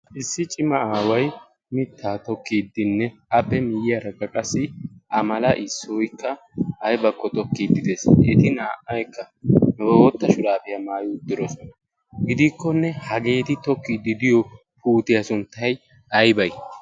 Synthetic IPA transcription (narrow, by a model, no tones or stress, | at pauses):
ʔɪsːɪt͡ʃʼɪmɐaːwɐj | mɪt̪ʰːaːt̪ɔkːiːd̪ɪnːɛɐpːɛmɪjɪjɐɾɐkʼːɐkʼɐsːɪʔɐmɐlɐʔɪsːɔjkːɐ | ɐjbɐkʼːɔt̪ɔkːiːd̪ɪd̪esʔɛt̪ɪnaːʔɐjkːɐ | nɔbɐwɔt̪ːɐʃʊɾaːfɪjɐmaːjʊd̪ːɪɾɔsɔnɐ | ɡɪd̪ɪkːɔnːɛhɐɡe̞ːt̪ɪt̪ɔkːiːd̪ːɪd̪ɪjɔ | puːt̪ɪjɐsʊnt̪ːɐj | ɐjbɐj